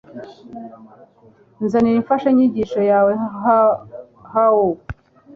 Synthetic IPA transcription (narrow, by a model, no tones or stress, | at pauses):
nzaniɾiɱfaʃaɲiɟiːʃojaːwe | hawo